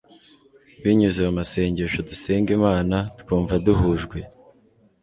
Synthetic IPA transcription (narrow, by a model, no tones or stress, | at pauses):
βiɲuzeamase̞ːɲɟeʃoduseːŋɡimaːnatkuːɱvaduɦuʒɡwe̞